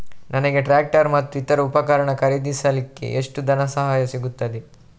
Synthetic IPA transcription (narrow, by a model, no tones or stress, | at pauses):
nʔɐnɐɡe̞ʈɾaːk̚ʈɐɾmɐt̪ːuit̪ɐɾɐupɐkɐɾɐɳɐkɐɾid̪isɐlikːḛʔeʂʈud̪ʱɐnɐsɐɦaːjɐsiɡut̪ːɐd̪e